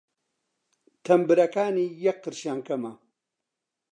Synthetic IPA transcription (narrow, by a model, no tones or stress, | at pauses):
t̪ʰɐmbɨɾɐkaːnijɐkːɨɾɕaːŋkɐmɐ